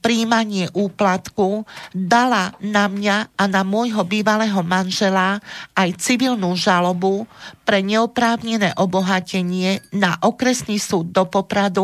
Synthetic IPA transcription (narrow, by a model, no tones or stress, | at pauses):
pɾiːmaɲɪɛʔuːplat̪kud̪alanamɲaanamʊɔjɦɔbiːʋalɛːɦɔmanʒɛlaajt͡siʋilnuːʒalɔbupɾɛɲɛɔpɾaːʊɲɛnɛːʔɔbɔɦacɛɲɪɛnaʔɔkɾɛsniːsuːd̪̚ːɔpɔpɾad̪u